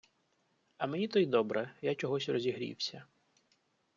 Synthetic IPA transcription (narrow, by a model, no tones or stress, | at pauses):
ɐmenʲit̪ɔjd̪ɔbɾɛjat͡ʃɔɦɔsʲrɔzʲiɦɾʲḭwsʲɐ